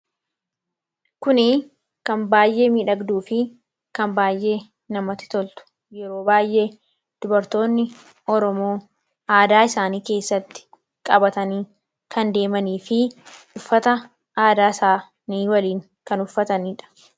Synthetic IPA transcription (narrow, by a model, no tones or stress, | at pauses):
kʊnɪ | kɐmbaːjʔe̞ːmiːᶑɐɡd̪uːfɪ | kɐmbaːjʔe̞ː | nɐmɐt̪ɪ̥t̪ɔlt̪ʊ̥ | jɛɾo̞ːbaːjʔe̞ː | d̪̥ʊbɐɾt̪o̞ːnːɪ | ɔɾɔmo̞ː | aːd̪aːɪsaːniːke̞ːsːɐt̪ːɪ̥ | kʼɐbɐt̪ɐniː | kʰɐnd̪e̞ːmɐniːfɪ | ʊfːɐt̪ɐ | ʔaːd̪aːɪsaː | niːwɐliːŋ | kɐnʊfːɐt̪ɐniᶑɐ̥